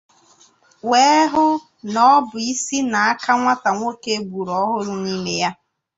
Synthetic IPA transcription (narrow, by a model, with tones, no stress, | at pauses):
we˦ɦʊ˦ | nɔ˦bʊ˨i˦si˦na˨a˦ka˦ŋʷa˦ta˨ŋʷo˦ke˦bu˨ɾɔ˦ɦʊ˦ɾʊ˦ni˦mḛ˦ja˦